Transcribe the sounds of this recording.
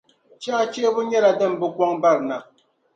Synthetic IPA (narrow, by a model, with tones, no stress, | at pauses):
t͡ʃa˦t͡ʃe˦bu˦ɲɛ˦ɾa˨dɛ˦˨m˨bə˦kwɔ˦ŋba˦˨ɾna˨k̚